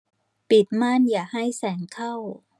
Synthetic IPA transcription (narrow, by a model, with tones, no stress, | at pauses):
pi˨˩t̪̚ma˥˩˨njaː˨˩ha˥˩jsɛː˩˦ŋkʰa˥˩w